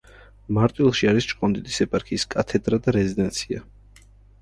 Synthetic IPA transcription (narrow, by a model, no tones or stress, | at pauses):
maɾt̪ʼwilˠʃiaɾist͡ʃʼqʼɔnd̪it̪isɛpʼaɾkʰiːskʼat̪ʰɛd̪ɾad̪aɾɛzid̪ɛnt̪sʰia